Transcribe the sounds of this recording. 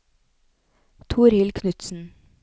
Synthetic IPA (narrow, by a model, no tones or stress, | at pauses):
t̪ʰuːɾhɪlkʰnʉt̪sn̩